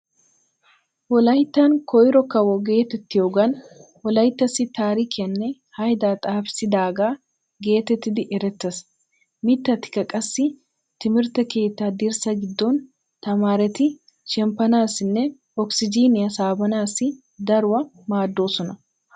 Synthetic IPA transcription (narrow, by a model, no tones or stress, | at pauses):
wɔlɐjɪt̪ːɐŋkɔɪɾɔkːɐwɔɡe̞ːt̪ːɛt̪ːɪjoɡɐnwɔlɐjɪt̪ːɐsɪt̪aːɾɪkɪɐnːɛ | hɐjd̪aːt̪ʼaːfsɪd̪aːɡaː | ɡe̞ːt̪ːɛt̪ːɪd̪ɪʔɛɾɛt̪ːɐs | mɪt̪ːɐt̪ːɪ̥kɐkʼɐsːɪ | t̪ɪmɪɾt̪ɐke̞ːt̪ːaːd̪ɪɾsɐɡɪd̪ːon | t̪ɐmaːɾɛt̪ɪ | ʃɛmpɐnaːsɪnːɛ | ɔksɪd͡ʒiːnɪɐsaːbɐnaːsɪ | d̪ɐɾʊwɐ | maːd̪ːo̞ːsɔnɐ